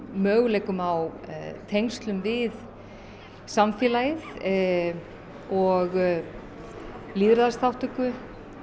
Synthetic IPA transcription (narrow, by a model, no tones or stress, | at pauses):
mœːɣlɛːkʏmawt̪ʰejŋst̪lʏmvɪð | samfjɛːlajɪθ | ɔɣ | liːðɾaðaɾsθawht̪ʏkʏ